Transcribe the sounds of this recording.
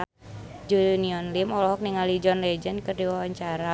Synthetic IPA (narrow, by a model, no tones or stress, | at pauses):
d͡ʒuniɔnlimɔlɔɦɔk̚niŋalid͡ʒɔnlɛd͡ʒɛnkərdiwawaɲt͡ʃaɾa